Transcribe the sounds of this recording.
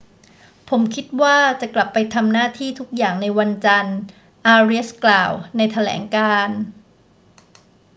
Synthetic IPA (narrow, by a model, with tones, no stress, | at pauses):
pʰo˩˦mkʰi˦˥t̪̚waː˥˩t͡ɕa˨˩kla˨˩pːa˧jt̪ʰa˧mnaː˥˩t̪ʰiː˥˩t̪ʰu˦˥k̚jaː˨˩ŋna˧jwa˧nt͡ɕa˧n | ʔaː˧ɾi˦˥sklaː˨˩wna˧jt̪ʰa˧lɛ̰ː˩˦ŋkaː˧n